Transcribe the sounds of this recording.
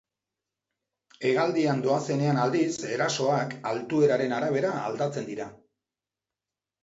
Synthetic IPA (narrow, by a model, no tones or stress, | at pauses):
e̞ɣald̪iand̪o̞ase̞ne̞anald̪ise̞ɾaso̞akalt̪ue̞ɾaɾe̞naɾaβ̞e̞ɾaa̰ld̪at͡se̞nd̪iɾa